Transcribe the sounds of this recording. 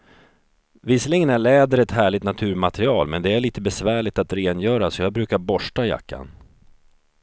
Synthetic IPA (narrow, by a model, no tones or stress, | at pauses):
vislɪŋənæɭɛːd̪əɾɛt̪ɦæːɭɪt̪nat̪ʰʉ̟ːɾmat̪ɾɪɑːlmɛ̰nd̪ɛæɭiːt̪əbɛsvæːɭɪt̪at̪ɾeːnjœːɾasɔjɑːɡbɾʉ̟ːkaɾbɔʂʈaja̰kːa̰n